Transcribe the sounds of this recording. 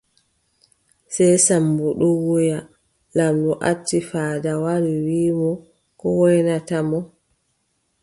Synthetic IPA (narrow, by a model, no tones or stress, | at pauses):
sajsambuɗuwuja | lamɗɔʔatːifaːdawaɾiwiːmɔ | kɔwɔjnatamɔ